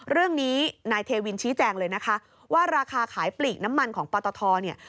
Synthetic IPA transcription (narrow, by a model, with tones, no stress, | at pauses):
ɾɯ˥˩əŋniː˦˥naː˧jt̪ʰeː˧wi˧nt͡ɕʰiː˦˥t͡ɕɛː˧ŋlɤː˧jna˦˥kʰa˦˥ | waː˥˩ɾaː˧kʰaː˧kʰaː˩˦jpliː˨˩k̚na˦˥mːa˧nkʰɔː˩˦ŋpɔː˧t̪ɔː˧t̪ʰɔː˧ni˥˩ə